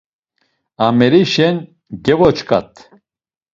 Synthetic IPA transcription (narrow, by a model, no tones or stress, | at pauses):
amɛɾiʃɛn | ɡɛvɔt͡ʃkʰʼa̰t̪ʰʼ